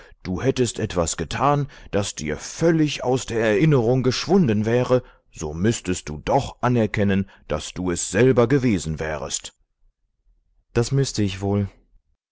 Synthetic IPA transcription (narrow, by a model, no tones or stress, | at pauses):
d̥uːhɛtəstʔɛtv̥asɡ̥ətʰaːnd̥asd̥ḭːɐfœlɪçaʊsd̥eːɐɛɐʔɪnəʁʊŋɡəʃv̥ʊndənvɛːʁə | z̥oːmʏstəst̚d̥uːdɔχʔanɛɐkʰɛnənd̥asd̥uːɛsz̥ɛlbɐɡəveːzn̩vɛ̰ːʁə̰st | d̥asmʏstəɪçv̥oːl